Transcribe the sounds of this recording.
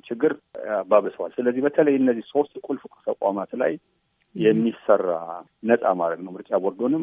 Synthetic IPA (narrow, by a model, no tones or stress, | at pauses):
t͡ʃʰɪɡːɨɾbaβɨsəwalsɨləzːihbət̪ʰələjɨnːəzːihso̞st̪kʷʼulfukʼt̪ʰəkʷʼa̰mat̪la̰jː | ɛmːisərːa̰ | nəsʼa̰maɾəɡnəwmɨɾt͡ʃʼabɔɾd̪o̞nɨm